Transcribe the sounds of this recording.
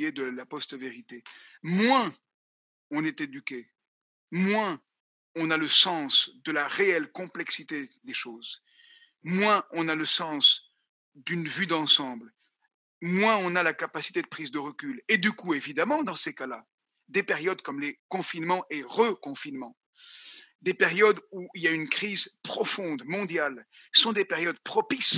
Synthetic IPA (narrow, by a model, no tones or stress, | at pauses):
ed̪əlapɔst̪veʁit̪emwɛ̃ | ɔ̃nɛt̪ed̪ykʲe | mwɛ̃ | ɔ̃naləsɑ̃sd̪əlaʁeɛlkɔ̃plɛksit̪ed̪eʃoːz | mwɛ̃ɔ̃naləsɑ̃s | d̪ynvyd̪ɑ̃sɑ̃bl | mwɛ̃ɔ̃nalakapasi̥t̪ed̪əpχizd̪əʁəkʲyled̪ykuevid̪amɑ̃d̪ɑ̃sekala | d̪epeʁjɔd̪kɔmlekɔ̃finmɑ̃ʔeʁəkɔ̃finmɑ̃ | d̪epeʁjɔd̪uiljaynkχizpχɔfɔ̃d̪mɔ̃d̪jal | sɔ̃d̪epɛʁjɔd̪pχɔpis